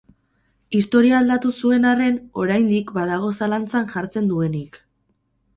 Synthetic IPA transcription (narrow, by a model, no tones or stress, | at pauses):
ist̪o̞ɾiaːld̪at̪usue̞nare̞no̞ɾajnd̪ikbaðaɣ̞o̞salant͡sanʝaɾt͡se̞nd̪ue̞nik